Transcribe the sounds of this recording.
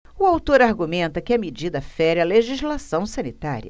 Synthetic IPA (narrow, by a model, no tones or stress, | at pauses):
ʊawt̪oɾaɾɡumẽnt̪ɐkɪɐmed͡ʒid̪ɐfɛɾɐleʒizlasɐ̃w̃sɐ̃nit̪a̰ɾiɐ̰